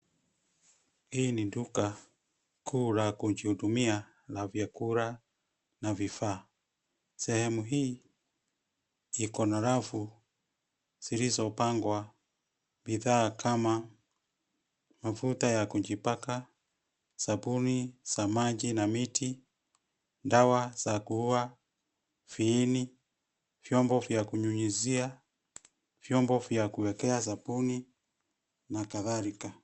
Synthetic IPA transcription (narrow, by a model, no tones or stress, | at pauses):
hiniduka | kʰuːɾakud͡ʒihudumia | lavjakuɾa | navifaː | sɛhɛmuɦiː | ikɔnaɾafu | z̥iɾizɔpaŋɡwa | biðaːkʰama | mafutajakuɲd͡ʒipaka | sabuniz̥amad͡ʒinamiti | ndawaz̥akuhua | fiːni | vjɔmbɔvjakuɲuɲizia | vjɔmbɔvjakuwɛkɛas̬abuni | nakaðaɾika